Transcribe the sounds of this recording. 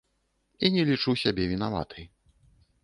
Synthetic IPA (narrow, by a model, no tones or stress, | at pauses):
inʲɛlʲit͡ʂusʲabʲɛvʲin̪ava̰t̪ʰɨj